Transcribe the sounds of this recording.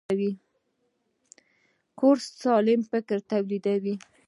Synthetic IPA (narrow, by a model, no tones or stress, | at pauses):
wi | koɾssɑlɪmfɪkɾt̪awlid̪awi